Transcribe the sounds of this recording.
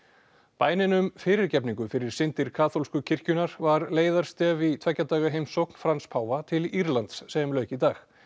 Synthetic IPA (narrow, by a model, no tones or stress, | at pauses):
paːjnɪnʏmfɪːɾɪɾcɛpniŋkʏfɪɾɪɾ̥sɪnt̪ɪɾ̥kʰaːθolskʏcʰɪr̥cʏnaɾvaɾleːjðaɾ̥st̪ɛːvit̪ʰvɛcːat̪aːɣaɦejmsowkn̥fɾanspʰaːwvat̪ʰɪliɾlant̪sːɛmlœːɥcit̪aːx